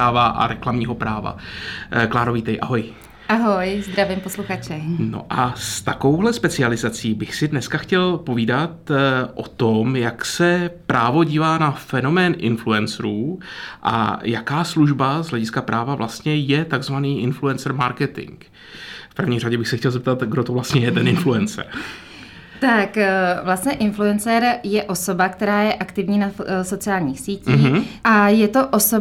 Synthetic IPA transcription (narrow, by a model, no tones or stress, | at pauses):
aːvaʔa̰ɾɛklamɲiːɦo̞pɾaːva̰klaːɾoviːt̪ɛjʔa̰ɦoj | ʔaɦojzd̪ɾavɪmposluxat͡ʃɛno̰ʔast̪ako̞wɦlɛspɛt͡sɪalɪzat͡siːbɪxsɪdnɛskaxcɛlpo̞viːdat̪ʔo̞̰t̪omjaksɛpɾʔaːvo̞ɟiːvaːnafɛno̞mɛːnʔɪ̰nfluɛnsɾuːʔa̰jakaːsluʒbazɦlɛɟɪskapɾʔaːvavlʔast̪ɲɛjɛt̪aɡzvaniːʔɪnfluɛnt͡sɛɾmaɾkɛt̪ɪ̰ŋk | fpr̩vɲiːr̝aɟɛbɪxsɛxcɛlzɛp̚t̪at̪ɡdot̪ovlast̪ɲɛjɛt̪ɛnɪnfluɛnt͡sɛ̰ɾ | t̪akvlast̪ɲɛʔɪnfluɛnt͡sɛɾjɛʔo̞so̞bakt̪ɛɾaːjɛʔakt̪ɪvɲiːnaso̞t͡sɪaːlɲiːxsiːciʔajɛt̪o̞ʔoso